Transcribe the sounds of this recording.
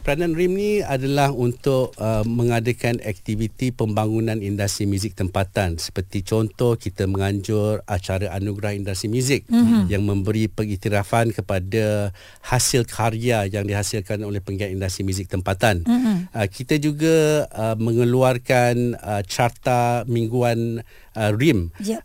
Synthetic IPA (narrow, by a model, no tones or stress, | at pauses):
pəɾanãnɾimnĩadalahunt̪ʊʔəməŋadakanɛ̰k̚t̪ivit̪ipəmbaŋunãnindast̪ɾimuzɪk̚t̪əmpat̪ansə̥pərt̪it͡ʃɔnt̪ɔhkit̪aməŋãɲd͡ʒʊrat͡ʃaɾaʔanuɡɾahindast̪ɾimjuzɪk̚jaŋmə̃mbəɾipəŋit̪iɾafankəpada | hasɪlkʰaɾiajaŋdiɦasilkanolɛhpəŋɡat̪indast̪ɾimuzɪk̚t̪əmpat̪anəkit̪ad͡ʒuɡaəmə̃ŋəluarkanət͡ʃart̪amĩŋɡuan | ərim